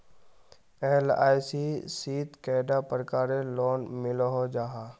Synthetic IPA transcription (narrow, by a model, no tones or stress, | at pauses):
eːla̰ːjsisiːt̪kɛːɖapɾəkaːɾelɔːnmɪlɦod͡ʒaːɦa